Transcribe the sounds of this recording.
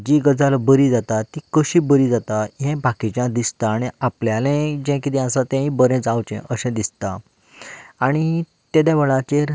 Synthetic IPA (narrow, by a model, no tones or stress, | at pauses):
d͡ʑiɡəd͡zalabəɾid͡zat̪at̪ikəɕibəɾiːd͡zat̪aɦɛ̃bʱakit͡ɕjãd̪ist̪aːɽ̃iapljalɛ̃d͡ʑɛ̃kit̪ĩasat̪ɛ̃ɦĩbəɾɛ̃d͡zawt͡ɕɛ̰̃ʔəɕɛ̃d̪ist̪aː | ɽ̃i | t̪ed̪aʋəɭat͡ɕeɾ